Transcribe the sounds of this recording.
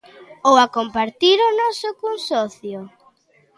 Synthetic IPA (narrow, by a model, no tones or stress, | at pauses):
owakompaɾt̪iɾʊnɔsʊkoŋsɔθjʊ